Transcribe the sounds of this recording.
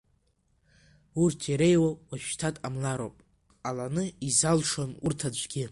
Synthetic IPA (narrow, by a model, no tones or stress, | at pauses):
urtʰiɾejwakʼwaʃᶣtʰatʼamlaɾo̰pʼ | alanɨizalʂonurtʰad͡ʒʷɡʲɪ